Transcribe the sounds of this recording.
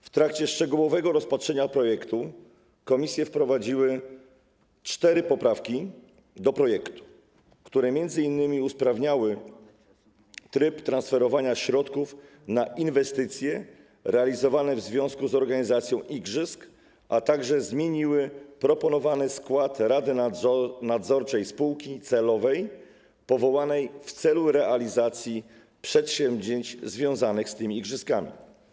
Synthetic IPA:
ft̪ɾakt͡ɕɛʂt͡ʂɛɡuwɔvɛɡɔɾɔspatʂɛɲapɾɔjɛkt̪u | kɔmʲisʲjɛfpɾɔvad͡ʑiwɘ | t͡ʂt̪ɛɾɘpɔpɾafkʲi | d̪ɔpɾɔjɛkt̪u̥ | kt̪uɾɛmʲjɛnd̪zɘinːɘmʲiuspɾavɲawɘ | t̪ɾɘpt̪ɾãnsfɛɾɔvaɲaɕɾɔt̪kuf | naʔinvɛst̪ɘt̪sʲjɛ | ɾɛalʲizɔvanɛvzvʲjɔ̃w̃skuzɔɾɡaɲizat̪sʲjɔ̃w̃ʔiɡʐɘsk | ʔat̪aɡʐɛzmʲjeɲiwɘpɾɔpɔnɔvanɘskwat̪ɾad̪ɘnad̪zɔɾt͡ʂɛjspuwkʲit̪sɛlɔvɛj | pɔvɔwanɛjft̪sɛluɾɛʔalʲizat̪sʲji | pʂɛt̪ɕɛmbʑeɲt͡ɕzvʲjɔ̃w̃zanɘxst̪ɘmʲiːɡʐɘskamʲḭ

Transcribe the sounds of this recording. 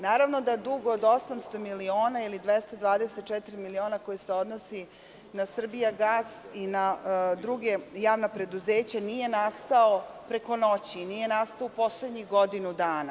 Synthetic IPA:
naːɾaʋno̞d̪aed̪uɡoːd̪osamst̪o̞milio̞ːnailid̪ʋest̪ad̪ʋaːd̪eset̪̚t͡ʃɛt̪iɾimilio̞ːnako̞jise̞o̞d̪nosi | nasr̩bijaɡaːsinad̪ɾuɡe̞jaːʋnapɾe̞d̪uzeːt͡ɕanije̞nast̪ao̞pɾe̞ko̞no̞t͡ɕinije̞nast̪aoupo̞sle̞d̪ɲixɡo̞d̪inud̪aːna

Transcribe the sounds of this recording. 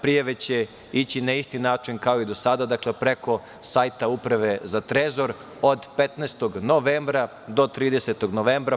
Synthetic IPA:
pɾijaʋe̞t͡ɕe | it͡ɕinaist̪inaːt͡ʃinkao̞id̪o̞sad̪ad̪aklepɾeko̞ | saːjt̪aupɾaʋe̞zat̪ɾezo̞ɾ | od̪pet̪nɛːst̪o̞ɡnoʋeːmbɾa | d̪o̞t̪ɾiːd̪ese̞t̪oɡno̞ʋeːmbɾa

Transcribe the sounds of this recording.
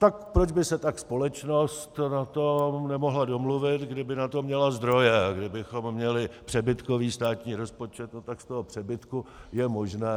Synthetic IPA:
t̪akpɾod͡ʒbɪsɛt̪akspo̞lɛt͡ʃno̞st̪nat̪o̞mnɛmoɦlado̞mluvɪt̪ɡdɪbɪnat̪o̞mɲɛlazd̪ɾo̞jɛɡdɪbɪxo̞mːɲɛlɪpr̥ɛbɪt̪ko̞viːst̪aːt̪ɲiːɾo̞spo̞t͡ʃɛt̪not̪akst̪oɦopr̝̥ɛbɪt̪kujɛmo̞ʒnɛː

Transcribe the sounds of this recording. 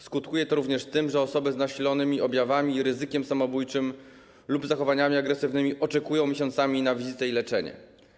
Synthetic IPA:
skut̪kujɛt̪ɔɾuvɲɛʂt̪ɘmʐɛɔsɔbɘznaɕilɔnɘmʲiʔɔbʲjavamʲiɾɘzɘkʲɛmsamɔbujt͡ʂɘm | lubzaxɔvaɲamʲiaɡɾɛsɘvnɘmʲiʔɔt͡ʂɛkujɔw̃mʲeɕɔ̃nt̪samʲinavʲizɘt̪ɛilɛt͡ʂɛɲɛ̰

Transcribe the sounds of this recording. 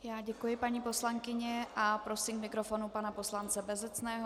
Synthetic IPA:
jaːɟɛkujɪpaɲiːpo̞slaŋkɪɲɛʔapɾo̞siːmkmɪkɾofonupanapo̞slant͡sɛbɛzɛt͡snɛːɦo

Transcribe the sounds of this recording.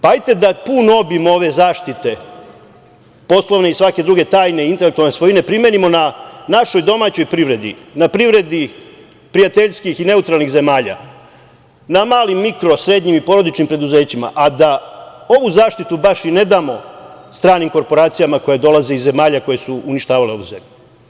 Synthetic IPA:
paajt̪e̞d̪apuːno̞bimoo̞ʋe̞zaːʃt̪it̪e̞ | po̞slˠo̞ʋne̞isʋake̞d̪ɾuɡe̞t̪aːjne̞int̪e̞lek̚t̪ualnesʋo̞jine̞pɾimenimo̞nanaʃo̞jd̪o̞maːt͡ɕo̞jpɾiʋɾe̞d̪ḭnapɾiʋɾe̞d̪i | pɾijat̪eʎskixine̞ut̪ɾaːlˠnixze̞maːʎa̰ | namaːlimːikɾo̞sɾe̞d̪ɲimipo̞ɾo̞d̪it͡ʃnimpɾe̞d̪uze̞ːt͡ɕima̰ʔad̪ao̞ʋuzaːʃt̪it̪ubaʃine̞d̪aːmo̞st̪ɾaːnimko̞ɾpo̞ɾaːt̪sijamako̞jed̪o̞laze̞izːe̞maːʎako̞je̞suːniʃt̪aːʋale̞o̞ʋṵze̞mʎu

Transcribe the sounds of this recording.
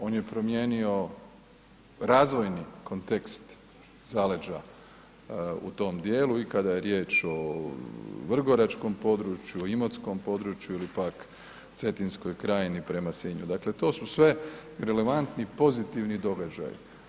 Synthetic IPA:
o̞ːnje̞pɾo̞mje̞ːnio̞ | ɾaːzʋo̞jniko̞nt̪e̞kst̪ | zaled͡ʒa̰ | ṵt̪o̞ːmd̪jeːluikad̪aje̞ɾje̞ːt͡ʃo̞ | ʋr̩ɡo̞ɾat͡ʃko̞mpo̞d̪ɾut͡ʃjuoimot̪sko̞mpo̞d̪ɾut͡ʃjuilipak | t̪se̞t̪insko̞jkɾaːjinipɾe̞masiɲṵd̪akle̞t̪o̞ːsusʋe̞ɾe̞le̞ʋant̪nipo̞zit̪iʋnid̪o̞ɡad͡ʒa̰jḭ

